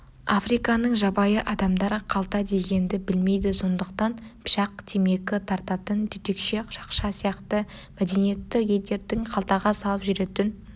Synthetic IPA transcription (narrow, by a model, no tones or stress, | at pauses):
afrijkɑnəɴʒɑbɑjəʔɑd̪ɑmd̪ɑɾəqʰɑlˠt̪ɑd̪e̞ɡʲe̞nd̪ɪbɪlme̞jd̪ɪso̞nd̪əqt̪ɑnpʰʃɑq̚t̪ʰeme̞kʲɪt̪ʰɑɾt̪ɑt̪ənd̪ʰʏt̪ekʃe̞ʒ̥ɑqʃɑsijɑqt̪əmæd̪e̞nije̞t̪ːɪqje̞ld̪e̞ɾd̪ɪŋqʰɑlˠt̪ɑʁɑsɑlˠəpʒʏɾe̞t̪ɪn